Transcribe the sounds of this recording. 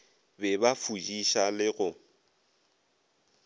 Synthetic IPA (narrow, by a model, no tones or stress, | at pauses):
bɛbafud͡ʒiʃalɪɣʊ